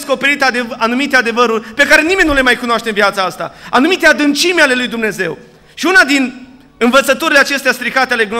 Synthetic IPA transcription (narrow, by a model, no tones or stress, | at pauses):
sko̞pe̞ɾit̪ad̪eanumit̪ead̪e̞vəɾurʲpe̞kaɾe̞nime̞nʲːule̞majkunoaʃt̪e̞ɨnvjat̪saast̪a̰anumit̪ead̪ɨnt͡ʃimeale̞lujd̪umne̞ze̞̰w | ʃiunad̪in | ɨnvət̪sət̪uɾileat͡ʃe̞st̪east̪ɾikat̪ealeɡn